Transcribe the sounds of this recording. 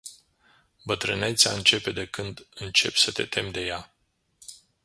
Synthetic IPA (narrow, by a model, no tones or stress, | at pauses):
bət̪ɾɨne̞t̪sʲaɨnt͡ʃe̞pe̞d̪e̞kɨnd̪ɨnt͡ʃe̞pʲsət̪e̞̰t̪ʰe̞md̪e̞ja